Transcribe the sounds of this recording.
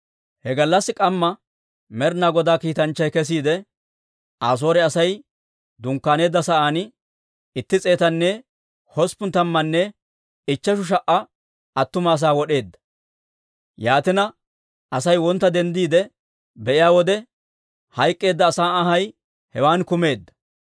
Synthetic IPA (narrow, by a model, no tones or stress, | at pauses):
hɛɡɐlːɐsːɪkʼɐmːɐ | mɛɾnaːɡɔd̪aːkiːt̪ɐnt͡ʃːɐjkɛs̬iːd̪ɛ | aːs̬o̞ːɾɛɐsɐj | d̪ʊŋkːaːne̞ːd̪ːɐsɐʔaːn | ɪt̪ːɪt͡sʼe̞ːt̪ɐnːɛ | hɔspʊnt̪ɐmːɐnːɛ | ɪt͡ʃːɐʃ̬ʊʃ̬ɐʔɐ | ɐt̪ːʊmɐːs̬aːwɔɗe̞ːd̪ːɐ̥ | jaːt̪ɪnɐ | ɐsɐjwɔnt̪ːɐd̪ɛnd̪iːd̪ɛ | bɛʔɪjaːwɔd̪ɛ | hɐjkʼːe̞ːd̪ːɐːsaːɐɦɐj | hɛwaːnkʊme̞ːd̪ːɐ̥